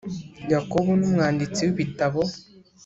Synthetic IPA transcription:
jakoβonumŋaːndit͡siweβitaβo

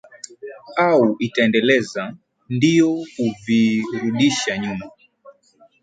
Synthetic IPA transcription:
auʔitaɛndɛlɛza | ndijɔkuviɾuɗiʃaɲuma

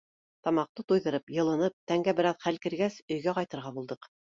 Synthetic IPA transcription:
t̪ɑmɑq̚t̪ɤt̪ujðɤ̆ɾɤpjɤ̆lˠɤ̆nɤp̚t̪æŋɡæbɘ̆ɾɑðχælkɘ̆ɾɡæsɵ̆jɡæqɑjt̪ɤ̆ɾʁɑbulˠd̪ɤq

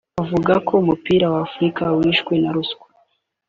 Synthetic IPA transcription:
avuɡakʰo̞umupiːɾawaːfɾikawiːʃɡwenaɾuskwḁ

